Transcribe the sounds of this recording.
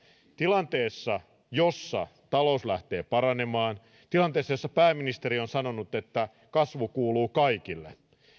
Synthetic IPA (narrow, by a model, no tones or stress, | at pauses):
t̪ilɑnt̪e̞ːsːɑ | josːɑ̰t̪ɑlouslæht̪e̞ːpɑɾɑne̞mɑːn | t̪ilɑnt̪eːsːɑjosːɑpæːmːinist̪eɾio̞nsɑno̞nut̪e̞t̪ːæ | kɑsʋukuːluːkɑikilːḛ